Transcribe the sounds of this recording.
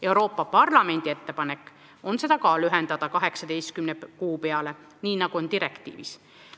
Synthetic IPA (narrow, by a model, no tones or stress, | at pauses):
e̞wɾo̞ːpːˑɑpɑrlɑme̞nʲd̪̥ie̞t̪ːe̞pɑne̞kːˑ | o̞nse̞d̪̥ɑkɑːlyɦend̪̥ɑd̪ɑkɑɦe̞ksɑd̪e̞jst̪kymnekuːpe̞ɑle̞ | niːnɑɡ̥uo̞nt̪iɾekt̪ḭːvḭs